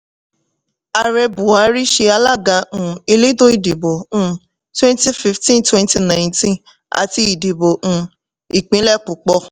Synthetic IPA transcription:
a˨ɾɛ˧bũ˨a˨˦ɾi˦ʃe˧a˧la˦˨ɡã˨˦˨e˧le˦do˦i˨di˨bõ˨ | twɛ̃˦nti˦fi˧ftĩ˦twɛ̃˧nti˧nã˨j̃ntĩ˦ | a̰˨ti˧i˨di˨bõ˨˧˦ | i˨k͡pĩ˨˦lɛ˦˨k͡pu˨k͡pɔ˧

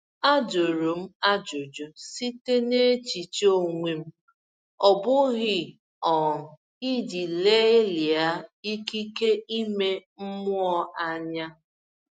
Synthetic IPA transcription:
a˦d͡ʒo˨ɾo˨m̩˦a˦d͡ʒo˨d͡ʒo˨si˦te˦ne˦t͡ʃi˨t͡ʃo˦˨ŋʷe˨m̩˦ | ɔ˨bʊ˦ɣɪ˨ | ɔ˨ | i˦di˨le˦li˨a˦i˦ki˦ke˦i˦me˦m̩˦mʊ˦ɔ˦ʔa˦ɲa˦

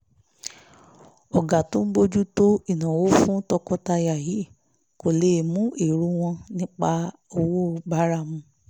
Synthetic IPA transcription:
ɔ˨ɡa˨to˦m̩˦bo˧d͡ʒu˦to˦i˨nã˨wo˦fũ˦tɔ˧kɔ˧ta˧ja˨ji˨˦˨ | ko˨le˨˦˨mũ˦ʔe˨ɾu˧˦w̃ɔ̃˧nĩ˦k͡pa˧ | o˧wo˦˧ba˦ɾa˦˧mũ˧

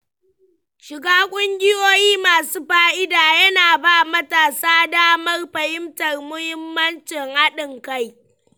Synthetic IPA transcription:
ʃɪ˨ɡaː˦kʷʼʊ˦ŋɡʲɪ˦joː˦jiː˦maː˨suː˦ɸaː˦ʔɪ˦daː˨jɐ˦naː˨baː˦mɐ˦taː˨saː˦daː˦mɐ˦rɸɐ˨hɪ˦mtɐ˨rmʊ˦hɪ˦mːɐ˦nt͡ʃɪ˨ŋha˦ɗɪ˨ŋka˦˨j

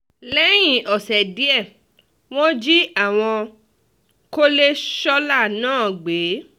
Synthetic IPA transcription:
lɛ˦j̃ĩ˦˨ɔ˨sɛ˨di˦ɛ˦˨ | w̃ɔ̃˦d͡ʒi˦a˦˨w̃ɔ̃˧ | ko˦le˦ʃɔ˦la˦˨nãː˦˨ɡ͡be˨˦

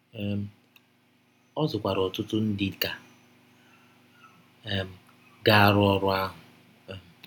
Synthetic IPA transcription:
ɛ˦m̩˦ | ɔ˦zʊ˨kʷa˨ɾɔ˨tʊ˦tʊ˦n̩˦dɪ˨ka˨ | ɛ˨m̩˨ | ɡa˦a˨ɾʊ˦ɔ˦ɾʊ˦a˦ɦʊ˨ | m̩˨

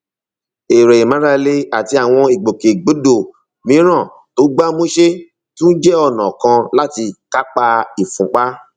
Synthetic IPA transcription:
e˨ɾɛ˨i˨mã˨˦ɾa˧le˦a˨ti˧˦a˨w̃ɔ̃˧i˨ɡ͡bo˨ke˨ɡ͡bo˨˦do˦˨ | mĩ˨˦ɾ̃ã˦˨ | to˨˦ɡ͡ba˦mõ˦ʃe˦ | tũ˦n̩˦d͡ʒɛ˦ɔ˦˨nã˨kã˧la˦ti˧ka˦k͡pa˧i˨fũ˨˦k͡pa˦

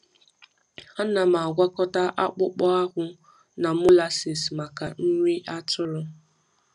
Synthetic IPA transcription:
a˦na˨ma˨a˨ɡʷa˦kɔ˦ta˦ʔa˦k͡pʊ˦k͡pɔ˦a˦ɣʷʊ˦ | na˨mʊ˦la˨si˨sma˨ka˨n̩˦ɲʷi˦ʔa˦tʊ˦ɾʊ˦

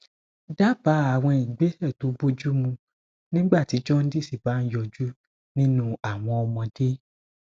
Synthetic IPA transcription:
da˦pa˨˦a˨w̃ɔ̃˧i˨ɡ͡be˨˦hɛ˦˨to˨˦bo˦d͡ʒu˦mũ˧ | nĩ˦ɡ͡ba˦˨ti˨˦d͡ʒɔ˦n̩˦di˦˨si˦˨ba˨˦n̩˦jɔ˧d͡ʒu˦ | nĩ˦nũ˦a˨w̃ɔ̃˧ɔ˧mɔ̃˧de˦

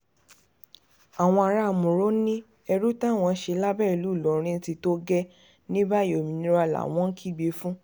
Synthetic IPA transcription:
a˨w̃ɔ̃˧a˧ɾa˦˨mũ˨ɾo˦nĩ˦ | ɛ˧ɾu˦ta˦˨w̃ɔ̃˧˦ʃe˧˦la˦bɛ˦˨i˨lu˨˦˨lɔ˨˦ɾ̃ĩ˧˦n̩˦ti˧to˦ɡɛ˦ | nĩ˦ba˦˨jo˨mĩ˨nĩ˦ɾa˧˨la̰˨w̃ɔ̃˦kʰi˦˨ɡ͡be˧˦fũ˦

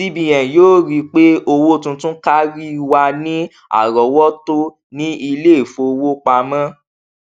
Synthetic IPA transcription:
i˦bĩ˨j̃ɛ̃˨joː˦ɾi˧k͡pe˦o˧wo˦˨tũ˧tũ˦ka˦ɾi˦wa˧nĩ˦ | a̰˦˨ɾɔ˨˦wɔ˦to˦ | nĩ˦i˧le˦˨fo˧wo˦k͡pa˧mã˦

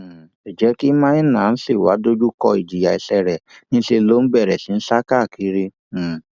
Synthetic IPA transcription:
i˨d͡ʒɛ˦ki˦mãː˦ni˦nãː˨n̩˦se˦˨wa˨˦do˦d͡ʒu˦kɔ˧i˨d͡ʒi˨ja˧i˧sɛ˧ɾɛ˨nĩ˦n̩˦ʃe˧lo˦n̩˦bɛ˦˨ɾɛ˨si˨˦n̩˦sa˦ka˦˨ki˨˦ɾi˦˨

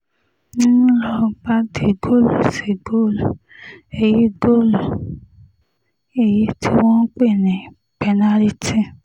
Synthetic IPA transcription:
nĩ˦nũ˦lɔ˧ɡ͡ba˦de˨ɡo˦˨lo˨se˨ɡo˦˨lɔ˨ | e˨ji˦ɡo˦˨lɔ˨ | e˦˨ji˦tʰi˦wɔ̃˦n̩˦k͡pe˦˨nĩ˨ | pɛ˧nã˦ɾi˦tĩ˦

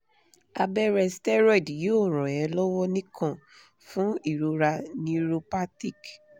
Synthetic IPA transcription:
a˧bɛ˦ɾɛ˧stɛ˦ɾɔ˦˨djo˦˨ɾ̃ɔ̃˨jɛ̃˨˧lɔ˦wɔ˦nĩ˦kʰã˦˨ | fũ˦i˦˨ɾo˧ɾa˧nĩ˦˧ɾo˧pa˦ti˦˨k

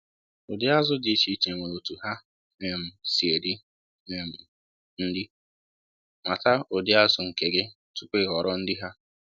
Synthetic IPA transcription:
o˨dɪ˦a˦zʊ˦dɪ˨t͡ʃi˦t͡ʃe˨ŋʷe˨o˨tu˨ɦa˦ | ne˦˨m̩˨si˨e˨dɪ˦ | ne˦m̩˨ | n̩˦dɪ˦ | ma˨ta˦o˨dɪ˦a˦zʊ˨ŋ̩˨ke˨ɡɪ˦ | tu˦k͡pʷe˦˨ɣɔ˨ɾɔ˦n̩˦dɪ˦ɦa˦

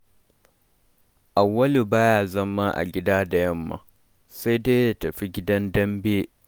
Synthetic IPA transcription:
ʔa˨wːɐ˦lu˨baː˦jaː˦zɐ˦mːa˦ʔa̰˨ɡʲɪ˦daː˦da˨jɐ˦mːa̰˨ | sa˦jdeː˦ja˦tɐ˨ɸi˦ɡʲɪ˦dɐ˦ndɐ˦mbeː˦

